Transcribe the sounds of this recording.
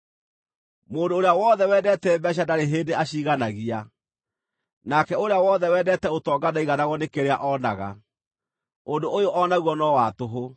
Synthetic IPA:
moːndoːɾeawɔðɛwɛːdɛtɛbɛɕ̬adaɾeɦeːdeaɕiːɣanaɣia | nakɛoɾeawɔðɛwɛːdɛtɛotɔːɡanaiɣanaɣɔnekeɾeaʔɔnaɣa̰ | ondoʔojoʔɔnaɣuwɔnɔwatoɦo

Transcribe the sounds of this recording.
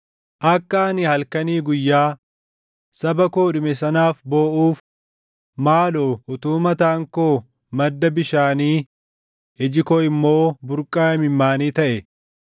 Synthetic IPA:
ʔɐkːaːɐnɪhɐlkɐniːɡʊjːaː | sɐbɐkoːᶑʊmɛsɐnaːfbo̞ːʔuːf | maːloːʔʊt̪uːmɐt̪aːŋkoː | mɐd̪ːɐbɪʃaːniː | ɛd͡ʒɪkoɪmːo̞ːbʊɾkʼːaːɐmɪmːaːniːt̪ɐʔɛ

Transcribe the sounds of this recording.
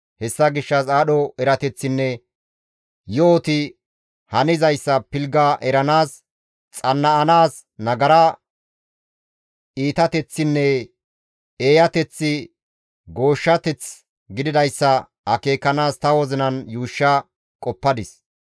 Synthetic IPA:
hɛsːɐɡɪʃːɐsaːɗɔɛɾɐt̪ɛt͡sːɪnːɛ | joːt̪ɪ | hɐnɪzɐjsːɐpɪlɡɐʔɛɾɐnaːs | t͡sʼɐnːɐːnaːs | nɐɡɐɾɐ | iːt̪ɐt̪ɛt͡sːɪnːɛ | eːjɐt̪ɛt͡sːɪ | ɡo̞ːʃːɐt̪ɛt͡s | ɡɪd̪ɪd̪ɐjsːɐ | ɐke̞ːkːɐnaːst̪ɐwɔzɪnɐnjuːʃːɐ | kʼɔpːɐd̪ɪs

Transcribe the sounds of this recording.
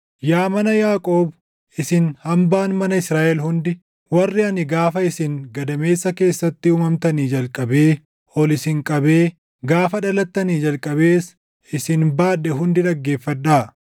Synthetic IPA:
jaːmɐnɐjaːkʼo̞ːb | ʔɪsɪnhɐmbaːnmɐnɐɪsɾaːʔɛlhʊnd̪ɪ | wɐrːɪɐnɪɡaːfɐɪsɪŋɡɐd̪ɐme̞ːsːɐke̞ːsːɐt̪ːɪʊːmɐmt̪ɐniːd͡ʒɐlkʼɐbeː | ɔlɪsɪŋkʼɐbeː | ɡaːfɐᶑɐlɐt̪ːɐniːd͡ʒɐlkʼɐbe̞ːs | ɪsɪnbaːᶑːɛɦʊnd̪ɪᶑɐɡːe̞ːfːɐᶑːaː

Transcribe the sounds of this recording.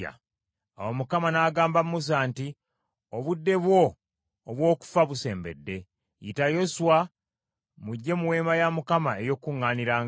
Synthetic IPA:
a̰ | a̰womukamanaːɡaːmbammus̬aːnti | oβudːe̞βwo̞ | oβwo̞ːku̥faβuse̞ːmbe̞̰dːe̞ | jḭtajo̞suwa | muɟːe̞muwe̞ːmajamukamae̞jo̞kːuŋːaːniɾaːŋ

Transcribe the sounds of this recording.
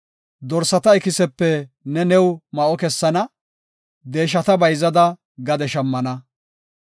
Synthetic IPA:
d̪ɔɾsɐt̪ɐɪkɪsɛpːɛ | nɛnɛwmɐʔɔkɛsːɐnɐ | d̪e̞ːʃɐt̪ɐbɐjzɐd̪ɐ | ɡɐd̪ɛʃɐmːɐnɐ

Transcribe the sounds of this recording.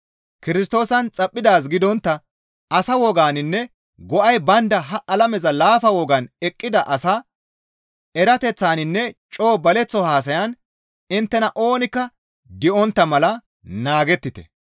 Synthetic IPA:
kɪɾɪs̬t̪o̞ːsɐnt͡sʼɐpʼːɪd̪aːs̬ɡɪd̪ɔnt̪ːɐ | ɐsɐwɔɡaːnɪnːɛ | ɡɔʔɐjbɐnd̪ɐɦɐʔɐlɐmɛzɐlaːfɐwɔɡɐnɛkʼːɪd̪ɐʔɐsɐ | ɛɾɐt̪ɛt͡sːaːnɪnːɛt͡ʃʼo̞ːbɐlɛt͡sːɔhaːs̬ɐjɐn | ɪnt̪ːɛnɐʔo̞ːnɪkːɐ | d̪ɪʔɔnt̪ːɐmɐlɐ | naːɡɛt̪ːɪt̪ɛ̥̰

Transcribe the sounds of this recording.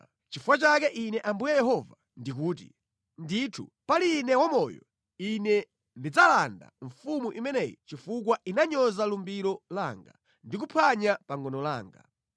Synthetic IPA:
t͡ʃifuwat͡ʃakɛʔinɛʔambujajɛɦɔva | ndik̬uːt̬ḭ | nditʰu | paliːnɛwamɔjɔ̰ | inɛ | ndid͡zalanda̰ɱfumuʔimɛnɛjḭt͡ʃifuk̬wainaɲɔzalumbiɾɔlaːŋɡa̰ | ndik̬upʰaɲapaŋɡɔnɔla̰ːŋɡa̰

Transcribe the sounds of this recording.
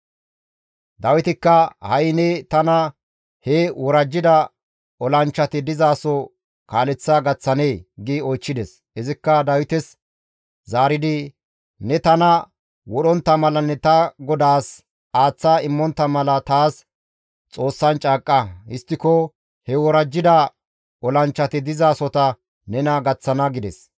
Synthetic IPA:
d̪ɐwɪt̪ɪkːɐhɐjnɛt̪ɐnɐ | hɛwʔɔɾɐd͡ʒːɪd̪ɐ | ɔlɐnt͡ʃːɐt̪ɪd̪ɪzaːsɔ | kaːlɛt͡sːaɡɐt͡sːɐne̞ːɡɪɔjt͡ʃːɪd̪ɛs | ɪzɪkːɐd̪ɐwɪt̪ɛs | zaːɾɪd̪ɪ | nɛt̪ɐnɐ | wɔɗɔnt̪ːɐmɐlɐnːɛt̪ɐɡɔd̪aːs | aːt͡sːaːɪmːɔnt̪ːɐmɐlɐt̪aːs | t͡sʼo̞ːsːɐnt͡ʃʼaːkʼːɐhɪst̪ːɪkɔ | hɛwɔɾɐd͡ʒːɪd̪ɐ | ɔlɐnt͡ʃːɐt̪ɪd̪ɪzaːsɔt̪ɐ | nɛnɐɡɐt͡sːɐnɐɡɪd̪ɛs

